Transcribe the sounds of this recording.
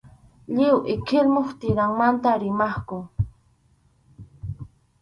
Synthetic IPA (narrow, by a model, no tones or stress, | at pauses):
ʎɪwʔɪkʰɪlmoχt̪ɪɾaŋmant̪aɾɪmɑχkʊ